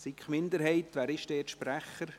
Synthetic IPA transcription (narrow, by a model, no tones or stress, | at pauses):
sikχmɪnd̪əɾɦɛɪt̪ʋæːɾɪʃdɛːtʃpɾæχːəɾ